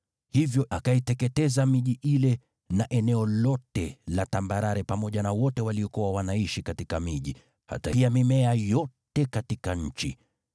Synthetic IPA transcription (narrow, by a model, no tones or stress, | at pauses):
hivjɔʔakaitɛkɛtɛzamiʄiʔilɛ | naʔɛnɛɔlɔtɛlatambaɾaɾɛpamɔʄanawɔtɛwaliɔkuwawanaiʃikatikamiʄi | ha̰taiamimɛajɔtɛkatikaɲ̩t͡ʃḭ